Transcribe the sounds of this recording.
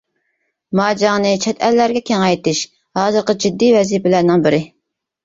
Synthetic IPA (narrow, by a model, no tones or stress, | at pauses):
mɑːd͡ʒɑŋnɨt͡ʃʰɛt̪ʰɛlːæɾɡʲɛkʲʰɛŋɛjt̪ɪʃ | hɑːzɨɾqəd͡ʒid̪ːijvɛziːpɪlæɾnɪŋbɪɾɪ